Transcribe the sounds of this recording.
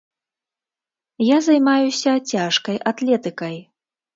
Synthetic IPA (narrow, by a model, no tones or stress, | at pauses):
jazajmajusʲɐt͡sʲaʂkɐjʔat̪lʲɛt̪ɨkɐj